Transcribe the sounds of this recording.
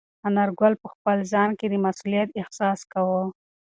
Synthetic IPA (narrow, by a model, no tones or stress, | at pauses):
anaɾɡalpəxpəlzɑnked̪əmasulijat̪ɪhsɑskawə